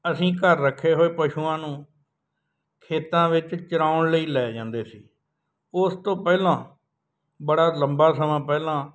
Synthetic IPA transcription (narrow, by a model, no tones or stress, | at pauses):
əsĩːkəɾːəkʰːeːɦoːeːpəʃuːãːnũː | kʰeːt̪ãːʋɪt͡ʃt͡ʃəɾaːʊɳləiːlɛːd͡ʒãːnd̪eːsiː | ʊst̪õːpɛːlãː | bəɽaːləmbaːsəmãːpɛːlãː